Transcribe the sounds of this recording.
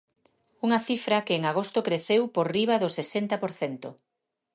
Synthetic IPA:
uŋɐθifɾɐkɪːŋaɣ̞ost̪ʊkɾeθewpoɾriβ̞ɐðʊsesent̪ɐpoɾθent̪o

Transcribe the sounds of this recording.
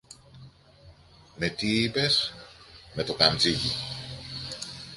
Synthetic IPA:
me̞t̪iipe̞s | me̞t̪o̞k̪ɐnziʝi

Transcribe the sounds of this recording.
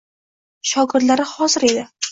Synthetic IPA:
ʃɒɡɪɾd̪laɾɪhɒzɪɾe̞d̪ɪ

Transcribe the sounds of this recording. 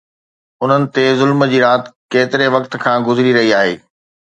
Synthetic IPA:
ʊn̤ənɪ̆t̪ezʊlmd͡ʑiːɾaːt̪keːt̪ɪɾeʋɐkt̪kʰãːɡʊzɾiɾɐɦiaːɦeː

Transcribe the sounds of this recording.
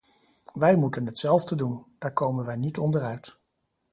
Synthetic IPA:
ʋɛjmutənɦətsɛlˠvdədund̥aːɹkowmənʋɛjnitɔndərœɥt

